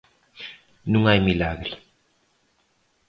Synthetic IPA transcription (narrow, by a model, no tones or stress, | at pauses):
nũŋajmilaɣɾi